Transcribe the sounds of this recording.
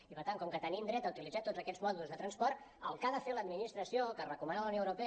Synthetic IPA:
ipəɾt̪aŋkɔmkət̪ənind̪ɾɛt̪əut̪ilidzat̪od͡zəkɛzmɔðulˠzðət̪ɾənspɔrt̪ | ə̰lˠkaðəfeləd̪minist̪ɾəsiokərəkumanaləwnjoəwɾupe

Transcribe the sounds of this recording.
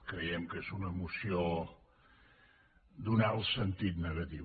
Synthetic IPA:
kɾəjɛmkezunəmusio | d̪unaəlˠsənt̪it̪nəɣət̪i

